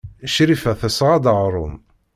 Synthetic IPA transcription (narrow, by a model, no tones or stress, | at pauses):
ʃɾifæθəsʁad̪əʁɾˤʊ̰m